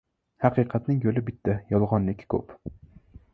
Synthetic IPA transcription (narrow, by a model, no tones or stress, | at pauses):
hɑqʰɨqʰɑt̪nɪŋjolɪbɪt̪ʰːajɒlˠʁɒnlɪkʲkʰɵ̰p